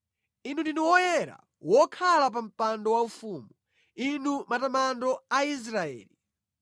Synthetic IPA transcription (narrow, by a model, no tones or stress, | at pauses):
in̤undinuwɔjɛɾa̰ | wɔkʰalap̬am̩pandɔwaufuːmu | inumatamandɔais̬ɾaɛ̰ːli